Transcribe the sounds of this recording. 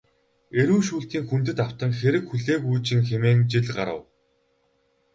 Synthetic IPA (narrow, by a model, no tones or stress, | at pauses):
eɾuːʃuːɬt̪iːŋxum̥t̪ɘ̆t̪aw̥t̪ə̆ŋxeɾɘ̆kxuɮeːkuːt͡ɕɪ̆ŋxemeːŋt͡ɕiɮɢa̰ɾə̰̆w